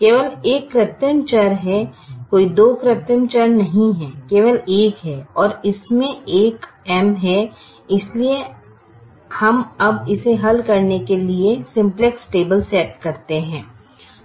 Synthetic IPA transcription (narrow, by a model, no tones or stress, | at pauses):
keːʋəleːkːɾɪt̪ːəmt͡ʃɐɾɦɛkoːid̪oːkɾɪt̪ːəmt͡ʃəɾnɐɦĩɦɛ̃ːkeːʋəleːkɦɛɔːɾɪsmẽeːkɛmɦɛ | ɪslie | hɐmɐbɪseɦɐlkɐɾnekeliesɪ̃mpleksʈeːbəlsɛːʈ̚kɐɾt̪eɦɛ̃ː